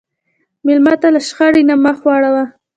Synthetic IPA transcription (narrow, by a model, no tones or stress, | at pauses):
mɪlmat̪alaʃχaɽinamaxwɑɽawa